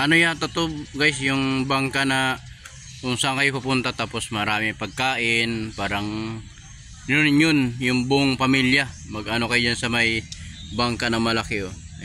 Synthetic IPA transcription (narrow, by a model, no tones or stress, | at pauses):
ʔɐnojat̪ɐt̪obɡajsjʊŋbaŋkanɐ | kʊŋsɐʔaŋkɐjopʊpʊnt̪at̪aːpo̞smɐɾaːmɪŋpɐɡ̚kaːʔɪnpaːɾɐŋ | nonnjonjʊŋbʊʔoŋpɐmiljɐmɐɡʔɐno̞kɐjod͡ʒansɐmɐjbaŋkɐnɐŋmɐlɐkɪo